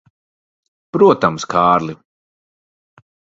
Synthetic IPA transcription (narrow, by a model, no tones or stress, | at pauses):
pɾuɔt̪amskaːɾlˠi